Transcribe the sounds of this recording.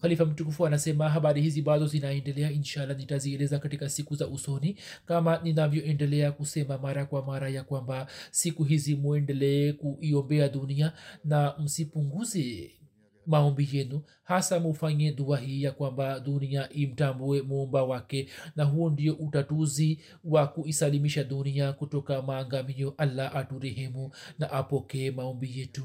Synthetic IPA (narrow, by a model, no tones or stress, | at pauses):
xalifam̩tukufuanasɛmaɦaɓaɾihiziɓaðɔzinaɛndɛlɛainʃalːanitaziɛlɛzakatikasikuzaʔusɔni | kamaninavjɔʔɛndɛlɛakusɛmamaɾakwamaɾajakwambasikuɦizimuɛndɛlɛɛkuʔiɔmbɛaɗunianam̩sipuŋɡuzɛ | maɔmbijɛnu | hasamufaɲɛðuaɦiːjakwambaduniaʔim̩tambuɛmuɔmbawakɛnaɦuɔndijɔʔutatuzi | wakuisalimiʃaɗuniakutɔkamaːŋɡamiɔʔalːaʔatuɾɛɦɛmunaʔapɔkɛɛmaɔmbijɛtu